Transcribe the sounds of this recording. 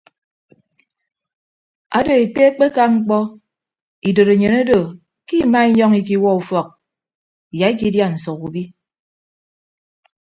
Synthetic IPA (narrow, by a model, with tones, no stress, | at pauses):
a̰˨do˨e˨te˦k͡pe˦ka˦ŋ͡m̩˦k͡pɔ˦ | i˨do˨ɾe˨ɲe˨ne˦do˨ | ki˦ma˦i˦ɲɔ˦ŋi˨k̬i˦wɔ˦u˨fɔ˨k̚ | ja˨i˦ki˦dja˦n̩˨sɔ˨ku˨bi˦